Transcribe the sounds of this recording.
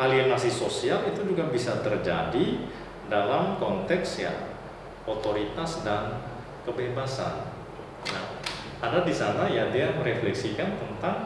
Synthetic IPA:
aliamasisosialit̪ud͡ʒuɡabisat̪ərd͡ʒa̰di | dalamkɔnt̪ɛksja̰ | ot̪oɾit̪asdan | kəbebasa̰n | na | adadisanajadiaməɾeflɛksikant̪ənt̪aŋ

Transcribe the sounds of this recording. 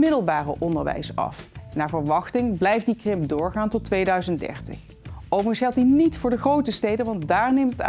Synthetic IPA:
mɪdəl̩ˠbaːrə̰ʔɔndəɹʋɛ̰jsɑ̰fnːaːɹvəɹʋɑχtɪŋblɛjfdikrɪmdʊːɹχaːntɔtʋejdœɥzənddɛ̰ɹtɪ̰χ | owvərənsχɛlˠt̚dinitfʊːɹdəχrowtəstejdənʋɑndaːɹnejmtəta̰

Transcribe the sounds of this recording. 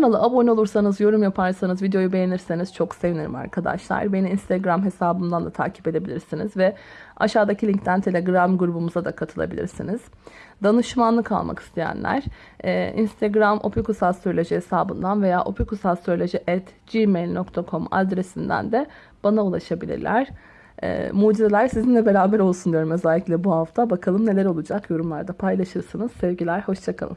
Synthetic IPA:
nalˠɯʔabono̞lˠuɾsanɯzjo̞ɾumjapʰaɾsanɯzvid̪ejo̞jube̞jeniɾseniz̥t͡ʃʰo̞kseviniɾima̰ɾkʰad̪a̰ʃlˠa̰ɾbe̞niːnst̪ʰeɡɾamɦe̞saːbɯnd̪and̪at̪ʰa̰ːcʰi̥pe̞d̪e̞bilʲḭɾsinizvɛa̰ʃaːd̪acʰilʲiɲct̪ʰænt̪ʰe̞lʲe̞ɡɾamɡuɾubumuzad̪akʰat̪ʰɯlˠa̰bilʲḭɾsḭniz̥ | d̪anɯʃmanlˠɯkʰa̰lˠma̰ki̥st̪ʰe̞jæ̰nlʲʔæ̰ɾ̥ | ɛːʔḭnst̪ʰeɡɾamʔo̞̰pʰikusalˠst̪ɾolʲeʒiɦesaːbɯnd̪anve̞ja̰ːʔo̞pʰikusalˠst̪ɾolʲed͡ʒiʔɛt̪d͡ʒimejlʲnokt̪ʰakʰo̞ma̰d̪ɾe̞sind̪æ̰nd̪ɛ | b̥anaulˠaʃabilʲḭɾlʲʔæɾ̥ | ɛ̰ːmuːd͡ʒiɾelʲæɾsizinlʲɛbe̞ɾaːbæɾo̞lˠsund̪ijo̞ɾumø̞zælʲːicʲlʲɛbuhaft̪ʰabakʰalˠɯmnelʲeɾo̞lˠud͡ʒakjo̞ɾumlˠaɾd̪apʰajlˠaʃɯɾsɯnɯz̥sɛvɟilʲæɾho̞ʃt͡ʃʰakʰa̰lˠɯ̰m

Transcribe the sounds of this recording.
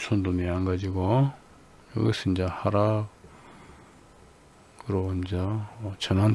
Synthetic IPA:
sʰond̪oneanɡad͡ʑiɡo | jʌ̰ɡɯsʰɯnd͡ʑahaɾa | kɯɾond͡ʑat͡ɕʌnan

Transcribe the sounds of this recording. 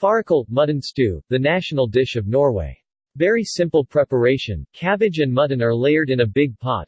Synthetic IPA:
fɑɹɨkʰolˠt̚mʌdⁿn̩stʉðɨnæʃn̩l̩ˠdɪʃʌvnɔɹwḛɪ | vɛɹisɪ̃mpl̩ˠpʰɹ̥ɛpə˞eɪʃɨ̰̃nkʰæbɨd͡ʒɨ̃nmʌdⁿn̩ə˞leɪə˞ɾɨ̃nɨbɪɡ̚pʰɑ̰t̚

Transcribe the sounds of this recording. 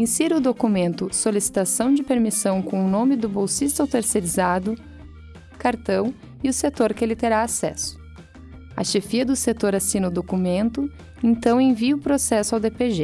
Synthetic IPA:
ĩsiɾɐʊd̪okumẽnt̪ʊsolisi̥t̪asɐ̃w̃d͡ʒɪpeɾmisɐ̃w̃kõw̃ʊnõmɪd̪ʊbowsist̪awt̪eɾseɾizad̪ʊ | kaɾt̪ɐ̃w̃ | ɪʊset̪oɾkelɪt̪eɾaasɛ̰sʊ̥ | ɐ̰ʃefiɐd̪ʊset̪oɾasinɐʊd̪okumẽnt̪ʊ | ẽt̪ɐ̃w̃ẽviɐʊpɾosɛsʊawd̪epeʒe

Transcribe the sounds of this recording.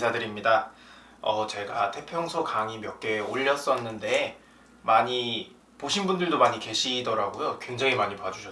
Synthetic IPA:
sʰadɯɾimɲida | ʌt͡ɕe̞ɡatʰe̞pʰjʌŋsʰokaŋimjʌk͈e̞oʎːʌs͈ʌnːɯnde̞ | maɲi | poɕʰinbundɯɭdomaɲike̞ɕʰidʌɾaɡojokwe̞ŋd͡ʑaŋimaɲipad͡ʑuɕʰʌ

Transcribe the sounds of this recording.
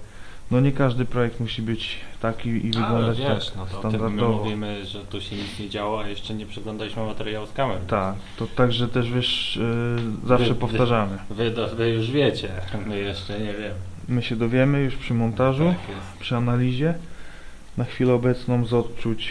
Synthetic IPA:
nɔɲɛkaʐd̪ɘpɾɔjɛk̚t̪muɕibɘt͡ɕt̪akʲiivɪɡlɔ̃nd̪at͡ɕ̪aknst̪and̪aɾd̪ɔvuvɔvʲimɘʐɛt̪uɕɛɲit̪sɲɛd͡ʑawɔajɛʂt͡ʂɛɲɛpʂɛɡlɔ̃nd̪alʲiɕmɘamat̪ɛɾjawskamɛɾt̪akt̪ɔt̪aɡʐɛt̪ɛʐvʲjɛʂ | zafʂɛpɔft̪aʐamɘvɘd̪vɘjuʐvʲjet͡ɕɛmɘjɛʂt͡ʂɛɲɛvʲjɛmɘ | mɘɕɛd̪ɔvʲjɛmɘjuʂpʂɘmɔnt̪aʐuɛ | pʂɘanalʲiʑɛ | naxfʲilɛɔbɛt̪snɔ̃mzɔt̪t͡ʂut͡ɕ

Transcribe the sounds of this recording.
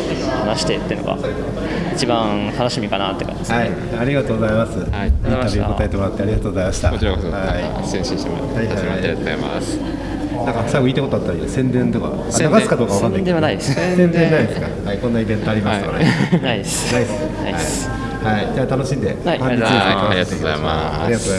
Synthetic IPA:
hanaɕi̥t̪et̪eɯno̰ɡa̰e | it͡ɕibãt̪ano̞ɕimʲikanat̪ːekã̰aai | aɾʲiɡat̪o̞ːɡozaimasɨĩnt̪abjiɯːko̞t̪aet̪e̞mo̞ɾat̪ːeaɾʲiɡat̪oːɡozaimaɕi̥t̪a̰ot͡ɕɾaai | sẽɕɨt̪emahajhajajt̪ama̰s | nãŋkafsakɯ̟iːt̪ekot̪oat̪ːaɾijsẽ̞nd̪ẽ̞nt̪oka̰ | naɡasɨ̥kad̪oːkaβakãnːaĩk̪ẽiessẽnd̪ẽnaid̪esɨ̥ka̰haikõ̞nːaibẽ̞nt̪o̞aɾʲimasɨokanaisnaies | ahai | haid͡ʑaːt̪ano̞ɕĩnd̪e̞̰hãɲit͡ɕid̪esekat̪oza̰ma | aɾiɡatoːza

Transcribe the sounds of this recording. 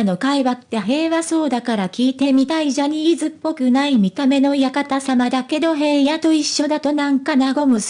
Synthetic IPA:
no̞kaiβat̪ːe̞ɦe̞ːβaso̞ːd̪akaɾakʲiːt̪e̞mʲit̪aiʑaɲ̟iːzɨpːo̞kɯ̟naimʲit̪ame̞no̞jakat̪asamad̪ake̞d̪o̞ɦe̞ːjat̪o̞iɕːo̞d̪at̪o̞nãŋkanaɡo̞mɯ

